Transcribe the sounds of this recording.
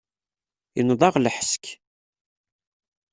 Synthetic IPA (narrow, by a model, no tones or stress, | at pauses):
jənðˤɑʁlħəsk